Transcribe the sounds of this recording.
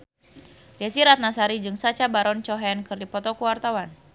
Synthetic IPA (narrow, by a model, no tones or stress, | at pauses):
diasiɾat̪̚nasaɾid͡ʒɨŋsat͡ʃabaɾɔnt͡ʃɔɦɛnkɨrdipɔt̪ɔkuwart̪awan